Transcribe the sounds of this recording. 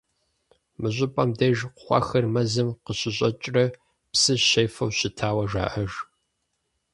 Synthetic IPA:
mɨʑʷʼʊpʼɐmdɐʒqʷχʷɑ̰xɐrmɐzɨmqəɕɪɕʼɐt͡ʃʼrɐ | psɨʃɐjfɐwɕɪtʰaːwɐʒa̰ːʔɐʒ

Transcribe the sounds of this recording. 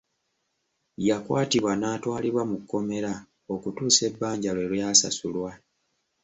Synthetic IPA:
jakwaːtiβwanaːtwaːliβwamukːo̞me̞ɾa | o̞kutuːse̞bːaːɲɟalwe̞lwejasa̰sulwa

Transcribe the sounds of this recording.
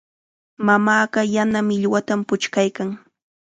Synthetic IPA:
mamaːɢɑjanamɪʎwat̪ampʊt͡ʃkajkaŋ

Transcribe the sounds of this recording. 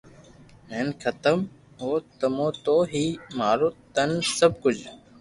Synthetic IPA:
meːnkʰət̪əm | ɦoːt̪əmõːt̪oːɦiːmaːɾoːt̪ənsəb̚kʊd͡ʒ

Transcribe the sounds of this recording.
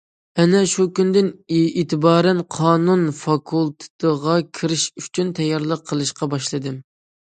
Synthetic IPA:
ɛnɛʃukʲynd̪ɪnit̪ʰɨbɑːɾɛnqʰɑːnunfɑkʰulˠt̪ʰɨ̥t̪ʰəʁɑkʲʰiɾɪʃyt͡ʃʰynt̪ʰɛjːɑɾlˠəqʰːəlˠɨʃqɑbɑʃlˠɨd̪ɨm

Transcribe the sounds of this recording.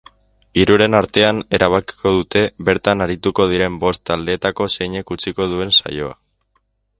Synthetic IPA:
iɾuɾe̞naɾt̪e̞ane̞ɾʔaβ̞aki̥ko̞ðut̪e̞βe̞ɾt̪anaɾit̪uko̞ð̞iɾe̞mbo̞st̪ald̪e̞ːt̪ako̞se̞jɲe̞kut͡siko̞ð̞ue̞nsa̰jo̞a̰

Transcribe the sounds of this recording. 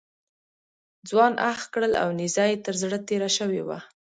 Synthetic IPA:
d͡zwɑnʔaxkɽəla̰wnɪzɑjet̪əɾzɽət̪eɾaʃəwḛwa̰

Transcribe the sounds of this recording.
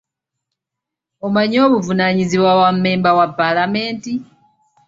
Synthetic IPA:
omaɲo̞ːβuvunaɲiziβwawamːe̞ːmbawapːalame̞ːnti

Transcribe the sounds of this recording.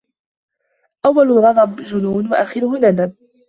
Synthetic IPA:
ʔawːalɣɑdˤɑbd͡ʒʊnuːnwaʔaːxɪɾʊhʊnadab

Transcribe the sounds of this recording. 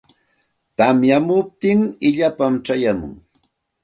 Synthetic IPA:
t̪amjamʊp̚t̪ɪŋɪʎapamʈ͡ʂajamʊ̰ŋ

